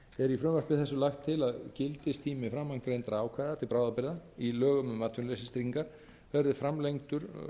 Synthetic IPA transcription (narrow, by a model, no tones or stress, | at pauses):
ɛɾifɾʏːvaɾ̥pɪðθɛsʏlaxt̪ʰːɪlaðcɪlt̪ɪst̪ʰiːmɪfɾamːaŋkɾejnt̪aɾaːwkʰvaːðat̪ʰɪlpɾaːwðapɪɾðailœːɣʏmʏmaːt̪ʰʏnlejsɪst̪ɾiŋkaɾ̥ | vɛɾðɪfɾamlejŋt̪ʏɾ̥